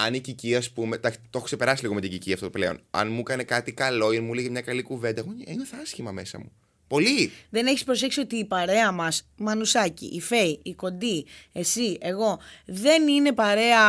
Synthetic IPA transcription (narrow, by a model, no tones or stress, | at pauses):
ɐniciciɐspumet̪ɐkt̪o̞xokse̞pe̞ɾɐsiliɣo̞me̞t̪iɟiciɐft̪ot̪ple̞o̞̰nɐ̰nmukɐne̞kɐt̪ikɐlo̞iɐnmuleɣemɲɐkɐlikuve̞nd̪ɐeɣoenoθɐsçimɐme̞sɐ̰mu | po̞liðe̞ne̞çispɾo̞s̬e̞ksio̞t̪iːpɐɾe̞ɐmɐs | mɐnusɐcḭʔːfe̞iiko̞nd̪ie̞sie̞ɣo̞ðe̞nine̞pɐɾe̞ɐ